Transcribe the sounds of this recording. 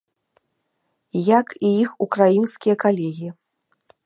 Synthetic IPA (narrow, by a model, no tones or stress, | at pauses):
jakiixukɾajinskʲijɐkalʲɛɣʲi